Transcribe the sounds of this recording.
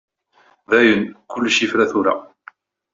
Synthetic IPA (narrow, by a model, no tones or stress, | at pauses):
ðæjənkʊlːʃifɾæθʊɾa̰